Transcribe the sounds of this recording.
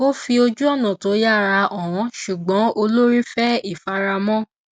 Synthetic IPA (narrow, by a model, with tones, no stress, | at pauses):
o˦fi˧o˧d͡ʒu˦ɔ˦˨nã˨to˨˦ja˦˨ɾa˧ɔ˨w̃ɔ̃˨˦ʃu˨ɡ͡bɔ̃˨˦o˧lo˦ɾi˦fɛ˦i˦˨fa˧ɾa˧mɔ̃˦